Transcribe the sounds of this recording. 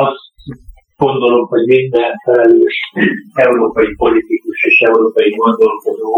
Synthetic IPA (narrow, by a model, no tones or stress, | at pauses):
ɒst̪ | ɡ̥o̞nd̪o̞lo̞mho̞ɟmind̪ɛnfɛlɛløːʃɛuɾoːpɒjipo̞lit̪ikuʃeːʃɛuɾoːpɒjimond̪olkod̪oː